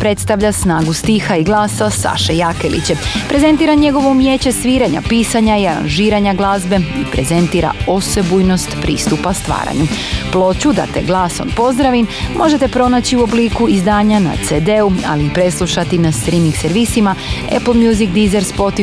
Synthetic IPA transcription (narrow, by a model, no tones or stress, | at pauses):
pɾe̞t̪st̪aʋʎasnaːɡust̪ixaiɡlˠaːsasa̰ʃejakelḭt͡ɕepɾe̞ze̞nt̪iːɾaɲe̞ɡo̞ʋomjeːt͡ɕesʋiːɾaɲa̰piːsaɲaiaɾa̰nʒiːɾaɲaɡlˠaːzbe̞ipɾe̞ze̞nt̪iːɾa̰o̞se̞bujno̞st̪pɾḭːst̪upast̪ʋa̰ːɾa̰ɲu | plˠo̞t͡ɕud̪a̰t̪e̞̰ɡlˠaːso̰npo̞zd̪ɾaʋimmʔo̞ʒe̞t̪e̞pɾo̞nat͡ɕiuo̞bliːkuizd̪aːɲana̰t̪sed̪eua̰liːpɾe̞slˠuʃat̪inast̪ɾimikseɾʋisimaḛplmjuzikd̪izeɾspo̞t̪i